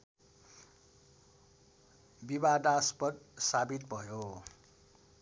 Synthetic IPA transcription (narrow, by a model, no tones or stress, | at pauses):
bibad̪aspʌd̪sabit̪bʱʌjo